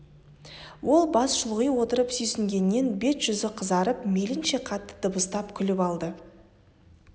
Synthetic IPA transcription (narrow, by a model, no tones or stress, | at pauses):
wo̞lˠbɑsʃʊlˠʁijwo̞t̪əɾəpsɵjsɪŋɡʲe̞nːe̞nbe̞sʒ̥ʏzɪqʰəzɑɾəpme̞lɪnʃe̞qʰɑt̪ːə̥d̪̥əbəst̪ɑpkʲʰʏlɪpɑlˠd̪ə